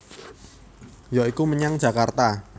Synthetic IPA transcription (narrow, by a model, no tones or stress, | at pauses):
jɔikuməɲaŋ̥d͡ʒakart̪a